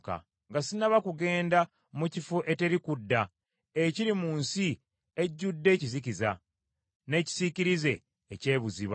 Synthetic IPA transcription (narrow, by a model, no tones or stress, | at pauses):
ka̰ | ŋɡasinaβakuɡe̞ːnda | mucifuʔe̞te̞ɾikudːa | eciɾimuːnsi | e̞ɟːudːe̞ːcizikiza̰ | ne̞ːci̥ziciɾize̞ː | ce̞ːβuziβa